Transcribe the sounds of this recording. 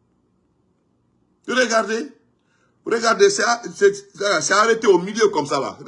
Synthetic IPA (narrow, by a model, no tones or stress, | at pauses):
joɾeɡaɾde | uɾeɡaɾdesaasaɾeteomiliekɔmsala̰